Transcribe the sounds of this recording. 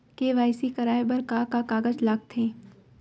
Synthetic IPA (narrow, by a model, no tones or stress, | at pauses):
keʋaːɪsikɐɾaːebɐɾkakakaːɡəd͡ʒlaːɡt̪ʰɦẽː